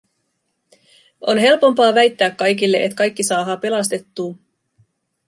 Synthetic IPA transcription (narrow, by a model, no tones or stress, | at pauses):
o̞̰nɦe̞lpo̞mpɑːʋæjt̪ːæːkːɑjk̬ilːe̞ʔet̪kɑjkːisɑːɦɑːpe̞lɑst̪e̞t̪ːuː